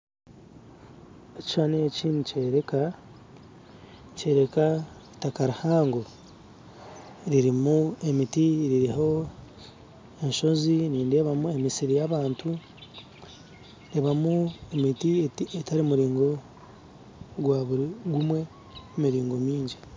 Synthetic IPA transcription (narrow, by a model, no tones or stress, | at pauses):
eci̥ʃaneciːnuce̞ːɾe̞ka | ce̞ːɾe̞ka | i̥takaɾuhaːŋɡo̞ | ɾiɾimue̞mitiɾiɾiɦo̞ | e̞ɲʃo̞ziniːnde̞ːβamuemisiɾijaβaːntʰu | ndeβamuemitietaɾimuɾiːŋɡo̞ | ɡwaːβuɾiɡumwe̞ | umiɾiːŋɡo̞miːɲɟi